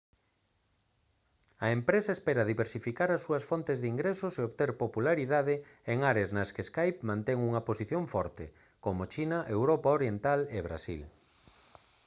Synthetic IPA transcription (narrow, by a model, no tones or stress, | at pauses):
ɐempɾesɐespeɾɐðiβeɾsifikaɾɐsːuɐsfɔnt̪ezðiŋɡɾesoseoβt̪eɾpopulaɾiðaðɪeŋaɾeaznɐskeskajpmãnt̪eŋuŋɐposiθjoɱfɔɾt̪ḛ | komot͡ʃinɐʔewɾɔpaoɾjent̪aleβɾa̰sḭl